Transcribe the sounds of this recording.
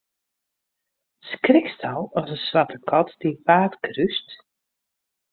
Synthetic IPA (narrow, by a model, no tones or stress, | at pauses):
skrɪkstʰalˠɔsənsʋatəkʰɔtd̥ipaːtkryst